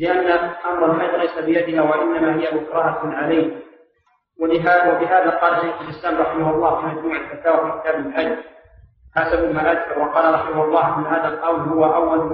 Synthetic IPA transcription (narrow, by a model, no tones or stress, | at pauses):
lɪʔanːaʔamɾˤɑlħɑjd̪ˤlajsabɪjad̪ɪhaːwaʔɪnːamaɦɪjamʊkɾˤɑhaʕalajh | wɪwabɪɦaːðaqɑːlaʃːajxʊlʔɪslaːmɾˤɑħɪmahɑlˤːɑːhfiːmad͡ʒmuːʕɪlfat̪aːwafiːkɪt̪aːbɪlʕaj | ħasabʊmaʔad̪bawɑqɑːlaɾˤɑħɪmʊhʊlˤːɑːʔɪnːaɦaːðalqɑwlhʊwaʔawːal